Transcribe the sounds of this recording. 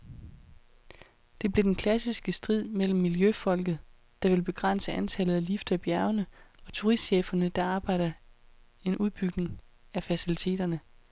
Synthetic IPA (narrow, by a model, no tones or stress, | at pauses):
d̥e̝b̥le̝d̥enkʰlæsisɡ̥əsd̥ʁið̰ˠmel̰m̩ːiljøfɒ̽l̰ɡ̥ð̩ˠ | d̥ɑ̈ʋe̝lb̥e̝ɡ̥ʁan̰səʔænt͡sʰælð̩ˠælifd̥ɐæb̥jæɐʊnəɒ̽t͡sʰuʁisd̥ɕeːfɐnəd̥ɑ̈ɑ̈ːb̥ɑ̈ɪ̰d̥ɐ | e̝nʔuðˠb̥yɡ̥ne̝ŋ | æfæsilit͡sʰe̝̰ːd̥ɐnə